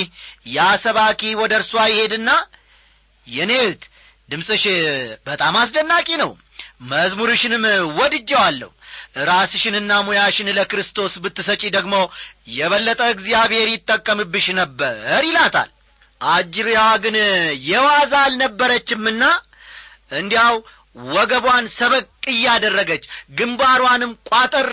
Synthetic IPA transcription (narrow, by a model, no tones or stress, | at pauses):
jasəβakʰʼiwɔd̪əɾsuajɪhe̞d̪ɨnːa | jɛnet̪ | d̪ɨmsʼɨʃbət̪ʼamasd̪ənːakʼinəw | məzmuɾɨʃɪnɨmwɔd̪ɨd͡ʒːɛwalːə̰huʔɨɾasɨʃɪnɨnːamujaʃɪnləkɾɨst̪ʰo̞sbɨt̪ːɨsət͡ʃʼid̪əɡmo̞jɛβəlːət̪ʼəɨɡzijaβhe̞ɾjɪt̪ʼːəkʼːəmɨbːɨʃnəbːəɾjɪlat̪ʰa̰l | ʔad͡ʒiɾjaɡɨnjɛwazalnəbːəɾət͡ʃːɪmːɨnːa | ʔɨnd̪ijaw | wɔɡəβwansəβəkʼːɨjːɛad̪ərːəɡət͡ʃːɡɨmbaɾwanɨmkʷʼat̪ʼəɾ